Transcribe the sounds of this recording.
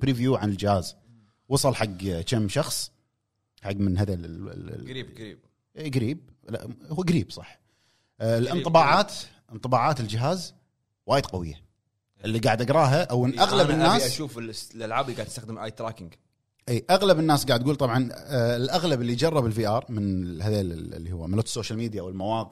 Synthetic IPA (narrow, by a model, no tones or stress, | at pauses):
bɾiːvjuːʕanɪld͡ʒɪhaːz | wɑsˤɨlħaɡːt͡ʃamːʃɑxsˤ | ħaɡːmɪnɦaða̰ | iːbɡɾḭːb̚ | ʔɡaɾiːb̚la̰huɡaɾiːbsˤɑħ | lɪntˤɨbɑːʕaːt̪ | ʔɨnt̪ˤɨbɑːʕaːt̪ɪld͡ʒɪɦaːz | waːjɪd̪qawɪ̰jːa̰ | ʔɪlːiɡaːʕad̪ʔaɡɾˤɑːɦaʔwɪnːʔaɣlabɪnːaːaʃuːfɪlʔalʕaːbliɡaʕd̪st̪axd̪əmʔa̰ːjt̪ɾaːkɪŋɡ | ʔiːʔaɣlabɪnːaːsɡaʕd̪ɡuːlt̪ˤɑbʕɑnɪlʔaɣlabɪlːid͡ʒɑrˤːɑbɪlfiːʔɑːɾˤmɪnhaðal̰lːihʊwːamɪnloːt̪sːoːʃalmiːd̪ijawɪlmawɑːq